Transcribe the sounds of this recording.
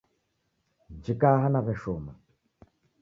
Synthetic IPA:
nd͡ʒikaɦanaβɛʃoma

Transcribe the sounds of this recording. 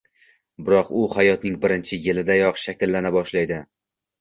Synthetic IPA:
bɪɾɒqʊhajɒt̪nɪŋbɪɾɪnt͡ʃʰɪjɪlɪd̪ajɒqʃakʲɪlːanabɒʃlajd̪ɪ

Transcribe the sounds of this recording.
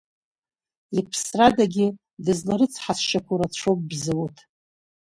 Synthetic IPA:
ipʰsradaɡʲɪ | dɨzlaɾɨt͡sʰħasʃakʷʰuɾat͡ɕʷʰowp̚ʼbzɨwutʰʼ

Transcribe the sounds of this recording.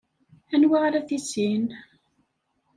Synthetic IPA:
ænwaʁaɾaθisin

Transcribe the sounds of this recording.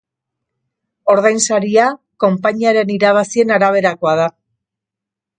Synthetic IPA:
o̞ɾð̞ajnsaɾia | ko̞mpaɲiaɾe̞niɾaβ̞asie̞naɾaβ̞e̞ɾako̞að̞a

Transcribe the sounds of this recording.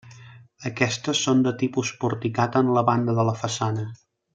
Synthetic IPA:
əkɛst̪əsːond̪ət̪ipuspuɾt̪ikat̪ənləβand̪əðələfəsanə

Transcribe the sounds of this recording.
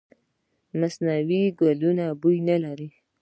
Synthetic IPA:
masnawiɡalunabujnalaɾi

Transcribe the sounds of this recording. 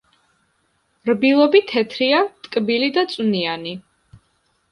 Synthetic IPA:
ɾbilˠɔbit̪ʰɛt̪ʰɾiat̪ʼkʼbilid̪at̪sʼniani

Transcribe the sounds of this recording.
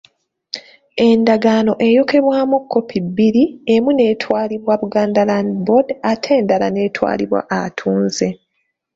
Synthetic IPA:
e̞ndaɡano̞ʔe̞jo̞ke̞βwaːmukʰːo̞pʰibːiɾie̞mune̞ːtʰwaːliβwaβuɡaːndalandbo̞datʰe̞ːndala̰ne̞ːtʰwa̰ːlḭβwa̰ʔatʰuːnze̞

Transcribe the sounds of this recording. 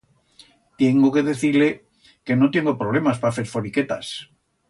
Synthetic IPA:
t̪jeŋɡokeðeθiɾle | kenõt̪eŋɡopɾoβ̞lemaspafeɾfoɾiket̪a̰s

